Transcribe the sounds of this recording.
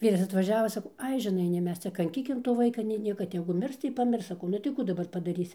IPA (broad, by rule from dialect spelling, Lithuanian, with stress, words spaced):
ˈʋʲiːrɐs ɐtʋɐˈʒʲæːʋoː sɐˈkɐʊ ˈɐɪ ʒʲɪˈnɐɪ nʲɛɪ ˈmʲɛs ˈt͡sʲɛ kɐŋʲˈkʲiːkʲɪm toː ˈʋɐɪkɐ nʲɛɪ ˈnʲiɛkɐ tʲɛɡʊ ˈmʲɪrs tɐɪ pɐˈmʲɪrs sɐˈkɐʊ nʊ tɐɪ ˈkuː dɐˈbɐr pɐdɐˈrʲiːsʲɪ